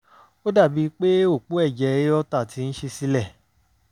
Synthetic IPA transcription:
o˦da˦˨bi˧k͡pe˦o˦˨k͡po˨˦ɛ˦˨d͡ʒɛ˧˦ɔ˦ta˦˨tʰi˧ñ̩˦ʃe˧si˦lɛ˦˨

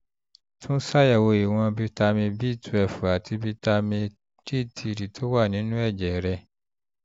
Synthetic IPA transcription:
tʰũ˦sa˦ja˦˨wo˧i˨w̃ɔ̃˧bi˧ta˧mĩ˧bi˦˨tʰu˨ɛ˨fu˨a˨tʰi˧bi˧˦ta˧mĩ˧ | ɾi˦˨tʰi˧˨ɾi˨tʰo˦wa˦˨nĩ˨˦nũ˦ɛ˦˨d͡ʒɛ˨ɾɛ˧˨

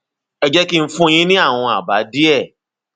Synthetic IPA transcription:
ɛ˧d͡ʒɛ˦ki˦n̩˦fũ˦j̃ĩ˦nĩ˦a˦˨w̃ɔ̃˧a˨ba˨˦di˦ɛ˦˨

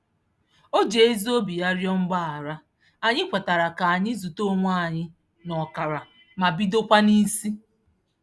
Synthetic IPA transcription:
o˦d͡ʒe˨e˦zo˦bi˨ja˦ɾjɔ˦ŋ͡m̩˦ɡ͡ba˦˨a˨ɾa˦ | a˨ɲɪ˦kʷa˨ta˨ɾa˨ka˨a˨ɲɪ˦zu˨to˦ŋʷa˦a˨ɲɪ˦ | nɔ˨ka˨ɾa˨ | ma˨bi˦do˦kʷa˦ni˦si˦

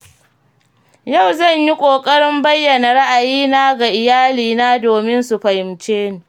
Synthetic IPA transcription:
ja˦˨wzɐ˦˨ɲji˦kʷʼoː˨kʼɐ˦ɽɪ˦mbɐ˦jːɐ˨na˨ɽa˦ʔa˨jiː˦naː˦ɡa˨ʔɪ˨jaː˦liː˨naː˦doː˨mɪ˦nsu˨ɸɐ˨hɪ˨mt͡ʃeː˦niː˨

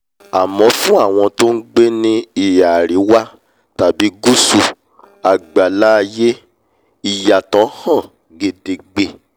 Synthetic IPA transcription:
a˨mɔ̃˨˦fũ˦a˦˨w̃ɔ̃˧to˦n̩˦ɡ͡be˦nĩ˦i˨ja˨ɾi˨˦wa˦ | ta˨bi˨˦ɡu˦su˧ | a˨ɡ͡ba˨la˦˧je˦ | i˦˨ja˨tɔ̃˨˦hɔ̃˦˨ | ɡe˨de˨ɡ͡be˨

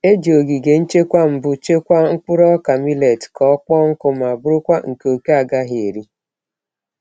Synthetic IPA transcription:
e˦d͡ʒo˨ɡi˨ɡe˨n̩˦t͡ʃe˦kʷa˦m̩˨bʊ˦t͡ʃe˦kʷa˦ŋ̩˦k͡pʊ˦ɾɔ˦ka˨mi˦le˨tkʰɔ˦ɔ˦k͡pɔ˦ŋ̩˦kʊ˦m˨a˨bʊ˦ɾʊ˦kʷa˦ŋ̩˨ko˨ke˦a˨ɡa˦ɦe˨e˨ɾi˦

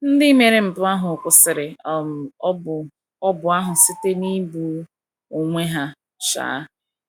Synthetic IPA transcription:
n̩˦dɪ˦me˨ɾe˨m̩˨pʊ˦a˦ɦʊ˨kʷʊ˨sɪ˨ɾɪ˨˦˨ | ɔ˦bʊ˨a˦ɦʊ˨sɪ˦te˦ni˦bu˨ | o˨ŋʷe˦ɦa˦ | ʃa̰ː˨˦

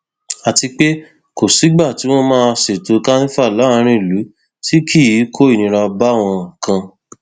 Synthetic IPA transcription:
a˨ti˧k͡pe˦ | ko˨si˨˦ɡ͡ba˦˨ti˨˦w̃ɔ̃˦mãː˦se˨to˧ka˦nĩ˦fa˦˨la˨˦˨ɾ̃ĩ˦˨lu˨˦ | ti˦kʰi˦˨ji˨˦kʰo˦i˦˨nĩ˧ɾa˧ba˦˨w̃ɔ̃˧˨kã˧

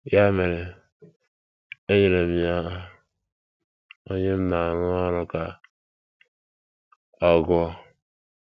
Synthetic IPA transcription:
ja˦me˨ɾe˨ | e˦ɲe˨ɾe˨mi˨a˦ | o˦ɲe˦m̩˦na˨n˦ɔ˦ɾɔ˦ka˨ | ɔ˨ɡɔ˦

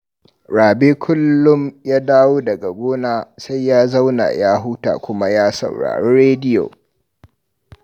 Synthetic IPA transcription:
ɽaː˨beː˦kʷʰʊ˦lːʊ˦mjaː˦daː˦woː˦dɐ˨ɡa˨ɡʷoː˦naː˦sa˦jjaː˦za˦wna̰˨jaː˦ɦʊ˦ta̰ː˨kʷʊ˦ma˦jaː˦sɐ̰˨wɽa̰ː˨ɽeː˦ɽeː˦dɪ˦jo̰˨

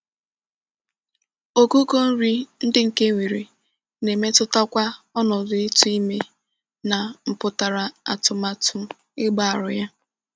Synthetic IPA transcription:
o˦ku˦ko˦n̩˦ɾi˦n̩˦dɪ˦ŋ̩˨ke˦ŋʷi˨ɾi˨ | ne˨me˦tʊ˦ta˦kʷa˦ɔ˦nɔ˨dʊ˦ɪ˦tu˦i˦me˦ | na˨m̩˨pʊ˦ta˨ɾa˨a˨tʊ˨ma˨tʊ˦ | ɪ˦ɡ͡ba˦˨a˨ɾʊ˨ja˦

